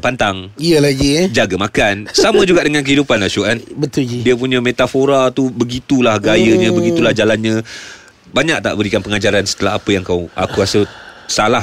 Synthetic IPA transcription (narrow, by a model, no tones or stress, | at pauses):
pant̪aŋiəlaɡid͡ʒaɡamakansamə̃d͡ʒuɡaʔdəŋãnkəɦidupanlahʃuanbət̪uidiəp̬uɲə̃met̪afoɾat̪ubəɡit̪ulahɡajəɲə̃bəɡit̪ulahd͡ʒalanɲə̃ | baɲak̚t̪a̰ʔbəɾikanpəŋad͡ʒaɾansə̥t̪əlaɦapəjaŋkawʔa̰kuasəsalah